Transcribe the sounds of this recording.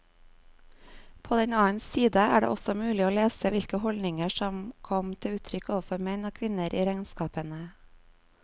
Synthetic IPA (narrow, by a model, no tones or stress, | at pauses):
pʰoːd̪ɛɲɑːənsiːd̪əæ̰ːɖḛːʔɔsɔmʉːlɪoːleːsəʋɪlkəhɔlnɪŋəʃɔmkʰɔmt̪ʰɪʉːt̪ʰɾʏkoːʋəfɔɾmɛnoːkʰʋɪnəɾʔḭːɾæɪnskɑːpənə